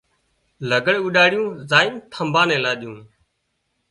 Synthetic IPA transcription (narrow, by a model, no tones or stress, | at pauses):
ləɡəɽuɗaːɽɪjũːzaːɪmt̪ʰəmbʱãːnɛ̃ːlaːɗɪjũː